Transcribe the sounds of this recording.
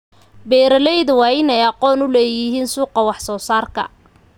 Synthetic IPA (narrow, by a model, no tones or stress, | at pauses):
bɛːɾɐlɛjðʊwɑːɪnɛjɑqɔːnʊlɛːjɪɦiːnsuːqɑwɑħsɔːsaːrkʰɐ̰